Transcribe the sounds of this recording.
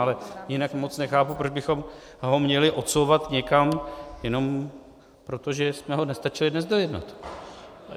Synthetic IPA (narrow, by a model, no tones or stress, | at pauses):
alɛjɪnakmo̞t͡snɛxaːpupɾo̞d͡ʒbɪxo̞m | ɦo̞mɲɛlɪʔo̞t̪sowvat̪ɲɛkamjɛno̞m | pɾo̞t̪o̞ʒɛsmɛɦo̞nɛst̪at͡ʃɪlɪdnɛzdo̞jɛdna̰t̪